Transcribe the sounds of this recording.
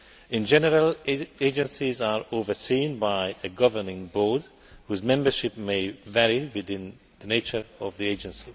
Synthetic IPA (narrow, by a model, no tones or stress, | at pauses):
ĩnd͡ʒɛnɛɾəleːd͡ʒɛ̃nsizaːɹovəsĩːnbajəɡʌvənɪ̃ŋbɔːd̪ | huːzmɛ̃mbəʃip̚mevɛɹivid̪ɪ̃n | d̪̥əneːt͡ʃəɹɔvd̪ieːd͡ʒɛ̃nsi